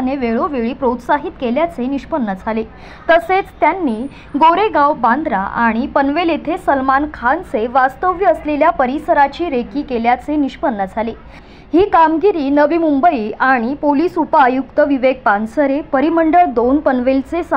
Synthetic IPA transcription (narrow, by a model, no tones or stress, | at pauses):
neʋeɭoʋeɭiːpɾot̪saɦiːt̪keljat͡seniɕpənːəd͡zʱale | t̪əset͡st̪janːiː | ɡoɾeɡawband̪ʱɾa̰ʔa̰ɽ̃ipənʋelet̪ʰesəlmankʰanseʋast̪əʋjəəsleljapəɾisəɾat͡ɕiːɾekiːkeljat͡seniɕpənːəd͡zʱale | ɦiːkamɡiɾiːnəʋiːmumbəiːaɽ̃ipoliːsupajukt̪əʋiʋeɡ̚pansəɾepəɾiməɳɖəɭd̪onpənʋelt͡ses